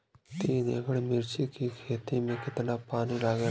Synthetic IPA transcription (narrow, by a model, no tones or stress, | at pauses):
t̪iːnḛːɡəɽmɪɾt͡ʃikikʰeːt̪imẽkɪt̪napaːnilaːɡeː